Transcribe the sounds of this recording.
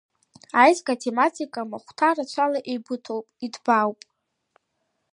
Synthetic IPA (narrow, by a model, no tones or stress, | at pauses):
ajzɡatʰematʰikʼamaχʷtʰarat͡ʃʷʰalaʔejbɨtʰowpʼidbawpʼ